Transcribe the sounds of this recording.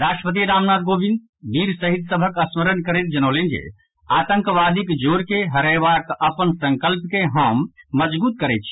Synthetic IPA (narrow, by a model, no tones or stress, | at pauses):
ɾaʃʈɾəpət̪̬iɾamnad̪̚ɡobʱind̪ | biɾsəɦid̪səbʱəkəsməɾənkəɾɛet̪̚d͡ʒənəlend͡ʒḛ | at̪ə̃ŋkʋad̪ikd͡ʒoɾkeɦəɾəjbakəpənsə̃ŋkəlpkeɦəmːəd͡ʒbut̪̚kəɾɛt̪̚t͡ʃʰi